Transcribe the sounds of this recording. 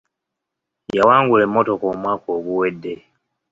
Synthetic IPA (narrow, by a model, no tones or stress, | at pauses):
jawaːŋɡule̞mːo̞to̞koːmwaːko̞ːɡuwe̞dːe̞